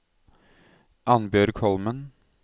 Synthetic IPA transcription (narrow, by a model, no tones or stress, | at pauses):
ʔɑnbøːɾkʰɔlmən